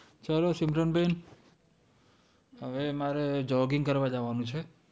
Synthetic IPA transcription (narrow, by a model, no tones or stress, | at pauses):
t͡ʃalosimɾənben | ɦəʋemaɾed͡ʒɔɡiŋkəɾʋad͡ʒaʋanũt͡ʃʰe